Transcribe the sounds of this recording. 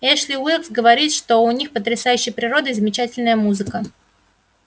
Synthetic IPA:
ɛʂlʲɪwilˠksɡəvɐɾʲit̪ʂt̪o̞ʊnʲixpət̪ɾʲɪsajʉɕːɪjpɾʲɪɾo̞d̪ɨzəmʲɪt͡ɕætʲɪlʲnəjəmuzɨkə

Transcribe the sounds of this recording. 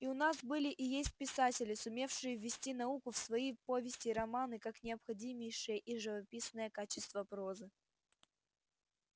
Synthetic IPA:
iʊnasbɨlʲɪʔɪjesʲt̚ʲpʲɪsatʲɪlʲɪsʊmʲe̞fʂɨjəvʲːɪsʲtʲin̪ɐukʊfsvɐipo̞vʲɪsʲtʲɪɾɐmanɨkaknʲɪɐpxɐdʲimʲɪjʂɨjəʔiʐɨvɐpʲisnəjəkat͡ɕɪst̪vəpɾo̞zɨ

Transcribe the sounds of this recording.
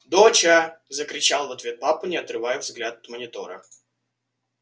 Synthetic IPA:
d̪ot͡ɕazəkɾʲɪt͡ɕalˠvɐt̪vʲe̞t̪̚papɨnʲɪɐt̪rɨvajʊvzɡlʲat̪ɐt̪mənʲɪt̪o̞ɾə̰

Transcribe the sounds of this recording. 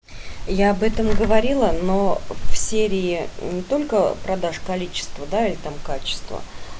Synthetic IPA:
jaɐbɛt̪əmɡəvɐɾʲilˠənofsʲeɾʲɪɪnʲɪt̪o̞lʲkəpɾɐd̪aʂkɐlʲit͡ɕɪ̥st̪vəd̪ailʲɪt̪amkat͡ɕɪ̥st̪və̰

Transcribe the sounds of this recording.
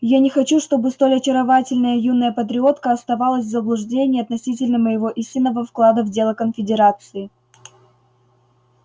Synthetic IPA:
janʲɪxɐt͡ɕuʂt̪o̞bɨst̪o̞lʲɐt͡ɕɪɾɐvatʲɪlʲnəjəjunːəjəpət̪̬ɾʲɪo̞t̪kəɐst̪ɐvalˠəsʲvzəblˠʊʐdʲenʲɪjɐt̪nɐsʲit̬ʲɪlʲnəməjɪvo̞ʔisʲtʲɪnːəvəfklˠad̪əvdʲe̞lˠəkənfʲɪdʲɪɾat̪sɨɪ

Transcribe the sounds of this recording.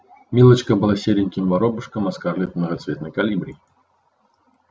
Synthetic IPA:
mʲilˠɐt͡ʃkɐbɨlˠasʲeɾʲɪnʲkʲimvaɾɔbɨʂkɐmaskarlʲɛt̪nɐɣɐt̪svʲɛt̪nɐjkalʲibɾʲij

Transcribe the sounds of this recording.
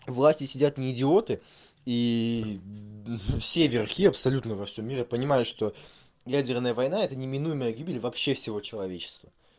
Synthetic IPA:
vlˠasʲtʲɪsʲɪdʲat̪nʲɪːdʲɪo̞t̪ɨ | i | fsʲe̞vʲɪrxʲiɐpsɐlʲut̪nəvɐfsʲo̞mʲːiɾʲɪpənʲɪmajʊt̪ʂt̪o̞ | jadʲɪrnəjəvɐjnaɛt̪ənʲɪmʲɪnujɪməjəɡʲibʲɪlʲvɐpɕːe̞fsʲɪvo̞t͡ɕɪlˠɐvʲet͡ɕɪ̥st̪və

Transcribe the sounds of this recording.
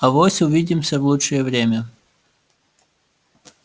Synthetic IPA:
ɐvosʲʊvʲidʲɪmsʲəvlˠutʂɨjəvɾʲemʲə

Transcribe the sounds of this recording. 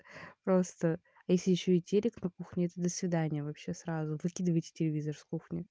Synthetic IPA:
pɾost̪ə | ɐjesʲlʲɪjɪɕːoɪtʲːelʲɪknɐkuxnʲɪɛt̪əd̪əsvʲɪd̪anʲɪjəvɐpɕːe̞sɾazʊvɨkʲid̪ɨvəjtʲɪ̥tʲɪlʲɪvʲizərskuxnʲɪ

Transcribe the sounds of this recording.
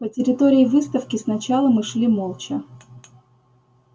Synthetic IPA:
pətʲɪɾʲɪt̪o̞ɾʲɪːvɨst̪əfkʲɪsnɐt͡ɕalˠəmɨʂlʲimolˠt͡ɕɪ

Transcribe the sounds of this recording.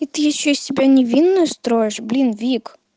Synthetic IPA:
it̪ɨjɐt͡ʃːɛisʲsʲɪbʲanʲɛʋʲinːʊjʊst̪ɾojeʃblʲinvʲik

